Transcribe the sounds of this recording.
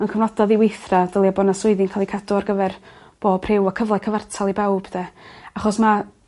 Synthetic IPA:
ənkʰəvnɔdɔðiwejθradəlˠjabɔːnasʊɨðɪnkʰaːlˠikʰadɔarɡəvɛr | b̥oːpʰrɪwakʰəvlˠakʰəvartʰalˠibawb̥d̥ɛaχɔsma

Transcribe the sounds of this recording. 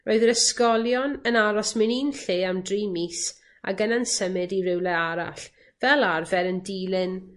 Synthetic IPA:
rʔoɨðɾəskɔlˠjɔnənaɾɔsmɨniːnɬeːamdrimis | a̰ɡənansəmɨdiɾɪwlˠɛaɾa̰ɬ | vɛlˠarvɛɾəndilˠɪn

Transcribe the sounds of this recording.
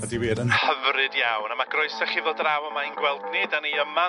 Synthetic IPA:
ədiweːdənhəvrɨdjawnamaɡrɔɨsaχivoːdrawəmainɡwɛlˠdnɪdanejəma

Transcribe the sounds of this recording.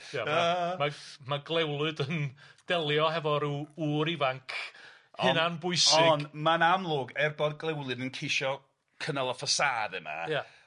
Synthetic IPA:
jaamamaɡlˠɛwlˠɨdənd̥ɛlˠjɔɦɛvɔɾuuːɾivaŋkʰ | hɨnanbʊɨsɪɔnmanamlˠoːɡɛrbɔd̚ɡlˠɛwlˠɨdənkʰeʃɔ | kʰənəlˠəfasaːdɛma̰ja

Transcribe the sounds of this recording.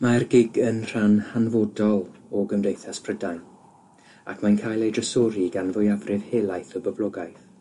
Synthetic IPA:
marɡɪɡənr̥anhanvɔdɔlˠɔɡəmdejθaspʰrədajn | akʰmajnkʰaːjlˠejdrəsɔɾiɡanvʊjavrɪv̥heːlˠajθɔbəblˠɔɡajθ

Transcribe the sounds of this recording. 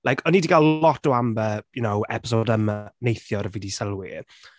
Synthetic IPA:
lˠajkʰɔniːdiɡalˠlɔtɔambəjʊnowɛ̰pɪ̥s̬odəmanejθjɔɾəviːdisəlˠwi

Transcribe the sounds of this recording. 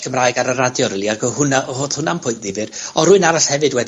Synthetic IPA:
kʰəmraɨɡaɾəradjɔɾəlˠiaɡɔhʊnaʔhoːð̥hʊnampʰʊɨntɪvɨrɔɾuɨnaɾaɬhɛvɨdwɛd

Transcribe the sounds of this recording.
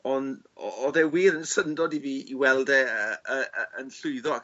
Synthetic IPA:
ɔn | ɔ̰ɔðɛwiːɾənsəndɔdiviːiwɛlˠdɛəəəənɬʊɨðɔa

